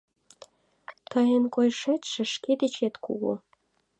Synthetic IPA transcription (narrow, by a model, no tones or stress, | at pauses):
t̪əjenkojʃet̪ʲʃə̆ʃked̪et͡ɕet̪kṵɣo̰